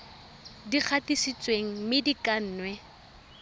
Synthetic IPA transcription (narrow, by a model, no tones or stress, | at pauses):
dik͡xʰatisit͡sʼweŋ̩mɪdikʼan̩ːnwɛ